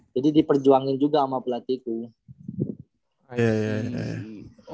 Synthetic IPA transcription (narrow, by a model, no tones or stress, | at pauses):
d͡ʒadidipərd͡ʒuaŋɪnd͡ʒuɡaːmapulat̪iːt̪u | jajaja̰ja̰